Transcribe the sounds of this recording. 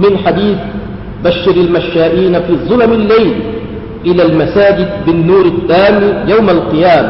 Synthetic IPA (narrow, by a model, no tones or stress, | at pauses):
mɪnħad̪iːθ | baʃːɪɾalmaʃːaːʔiːnafiːzˤʊlamalːajl | ʔɪlaːlmasaːd͡ʒɪd̪̚bɪnːuːɾɪθːaːmijawmalqɨjaːma